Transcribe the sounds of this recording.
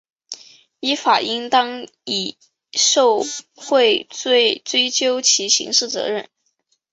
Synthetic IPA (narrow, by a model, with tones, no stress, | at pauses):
i˧˥fa˨˩ʔi˥ŋt̪ɑ˥ŋ | i˨˩ | ʂo˥˧ʊ | xwe˥˧ɪt͡swe˥˧ɪt͡swe˥ɪt͡ɕjo˥ʊt͡ɕʰi˧˥ɕḭ˧˥ŋʂɻ̩˥˩t͡sɤ̰˧˥ɻə˥˩n